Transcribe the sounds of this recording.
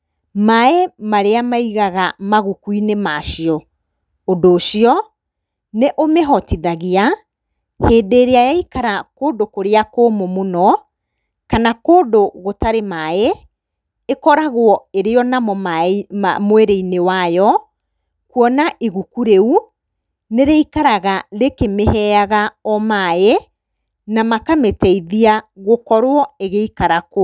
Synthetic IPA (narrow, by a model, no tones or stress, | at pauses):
maɛmaɾeamaiɣaɣamaɣukwinemaʃiɔ | odoːʃiɔ | neʔomeɦɔtiðaɣea | heːdeːɾeajaikaɾakoːdokoɾeakoːmomonɔ | kanakoːdoɣotaɾemae | ekɔɾaɣwɔeɾeɔnamɔ | moeɾeinewajɔ | kwɔnaʔiɣukuɾeu | neɾeikaɾaɣaɾekemehɛaɣaɔmae | namakametɛiðiaɣokɔɾwɔeɣeikaɾako